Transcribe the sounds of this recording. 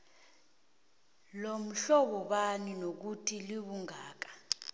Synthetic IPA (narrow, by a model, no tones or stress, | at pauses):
lom̩ɬɔɓɔɓaninok̬utʰiliɓuŋaːk̬ḁ